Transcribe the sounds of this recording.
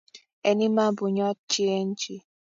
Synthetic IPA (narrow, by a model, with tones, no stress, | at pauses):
e˨ni˦ma˦bʊ˨ɲɔ˦t͡ʃi˦e˦n̩˦t͡ʃi˦